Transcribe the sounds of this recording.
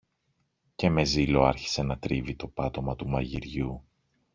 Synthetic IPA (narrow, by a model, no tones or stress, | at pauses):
ce̞me̞zilo̞ɐɾçi̥se̞nɐt̪ɾivit̪o̞pɐt̪o̞mɐt̪umɐʝiɾʝu